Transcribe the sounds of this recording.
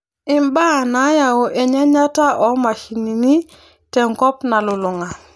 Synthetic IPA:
ɪ˨mba˦na˨˦ja˨o˨ʔɛ˨ɲɛ˦ɲa˦ta˦ʔɔ˨˦ma˨ʃi˨ni˨ni˦ | tɛ˨ŋkɔ˦pna˨lʊ˨lʊ˨ŋa˨

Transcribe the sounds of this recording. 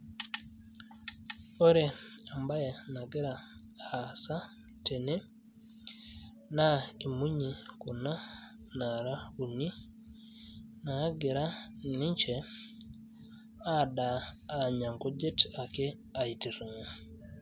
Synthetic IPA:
o˦ɾe˨a˨mba˦jɛ˨na˨ɡɪ˦ɾa˨ | a˨sa˦ | te˨ne˦ | na˦i˨mu˦ɲi˨ko˨na˦ | na˨ɾa˦u˨ni˦ | na˨˦ɡɪ˨ɾa˦nɪ˦ɲt͡ʃɛ˨ | a˦˨ɗa˨a˨ɲa˨ŋko˦d͡ʒe˦ta˨kɪ˦ | a˨i˨ti˨ɾi˨ŋa˨

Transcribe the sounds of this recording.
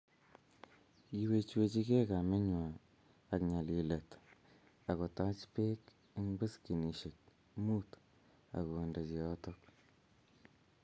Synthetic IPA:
ki˨we˨t͡ʃwe˨t͡ʃi˦ke˦ka˨me˦ɲwaː˨ | kɲa˨li˨le˨t | a˨kɔ˨ta˦t͡ʃpe˦k | i˦ŋbɨ˦ski˨ni˨ʃe˨k̚ | mu˦t | a̰˨ko˨e˨nde˨t͡ʃi˨ɔ˦tɔ˦k

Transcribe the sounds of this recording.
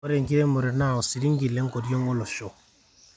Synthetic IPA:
ɔ˦ɾe˨ŋki˦ɾe˦mɔ˨ɾe˨na˦˨ɔ˨si˨ɾi˦ŋɡi˨le˦ŋko˨di˦o˦ŋo˦lɔ˨ʃɔ˦˨

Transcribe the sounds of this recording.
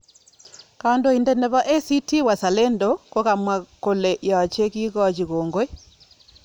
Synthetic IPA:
ka˨ndo˨indɛ˨nɛ˨βa˦ʔe˦si˦ti˦wa˨sa˨le˦ndo˦ko˦ɣa˨mwa˨ko˨le˨ʔja˨t͡ʃe˦ki˦ɣɔ˦˨t͡ʃi˨ɣoː˨ŋɡo˦e˦

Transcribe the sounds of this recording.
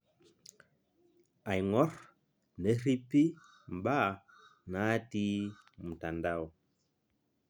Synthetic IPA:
a˨jŋɔ˦ɾ | ne˦ɾi˦pi˦ | m˨ba˦˨na˦ti˦ | mu˨ta˨nda˦˨w

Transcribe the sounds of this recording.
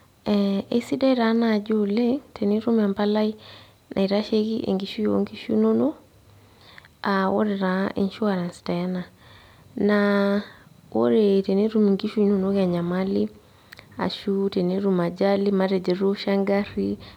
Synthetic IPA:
ɛe˨si˦dɛ˦i˦ɾa˨na˨d͡ʒole˦tʰe˨ne˦ɾu˦ma˨mpa˦la˦i˦ | nʔa̰˨iɾa˦ʃe˦ɣi˦ʔḛ˨ŋɡi˨ʃu˦jo̰˦ŋɡi˦ʃṵ˦no˦no˦ | awo̰˦ɾeɾa˨ḭ˨nʃu˦aɾa˨nstɛ˨˦na˨ | na | wo̰˦ɾete˨ne˦ɾu˦mi˨ŋɡi˦ʃu˦no˨no˦ɣa˨ɲa˨mali | a̰˨ʃu˦te˨ne˦ɾu˨ma˨d͡ʒa˦li˦ma˦ɾe˨d͡ʒe˨ɾo˦ʃa˦ŋɡaɾi

